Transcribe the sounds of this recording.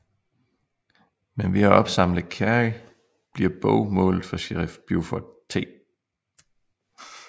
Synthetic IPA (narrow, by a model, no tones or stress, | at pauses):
menʋiæɒ̽b̥sɑ̈m̰ləð̩ˠkʰæʁi | b̥liɐb̥ɔʊmɔ̰̽ːlð̩ˠfɒ̽ɕeʁfb̥jufɒt͡sʰe̝̰ː